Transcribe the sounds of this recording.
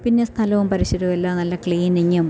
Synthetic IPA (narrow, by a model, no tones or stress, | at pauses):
pinːest̪ʰɐlɐʋumpɐɾiɕɐðuʋelːonɐlːɐkɭiːniɲːum